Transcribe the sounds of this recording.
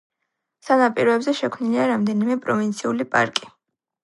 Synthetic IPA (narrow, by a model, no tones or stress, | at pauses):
sanapʼiɾɔɛbzɛʃɛkʰmniliaɾamd̪ɛnimɛpʼɾɔvint̪sʰiulipʼa̰ɾkʼi